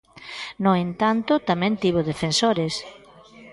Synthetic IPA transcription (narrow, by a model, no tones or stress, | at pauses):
nʊent̪ant̪ʊt̪amɛ̃nt̪iβʊðefensoɾes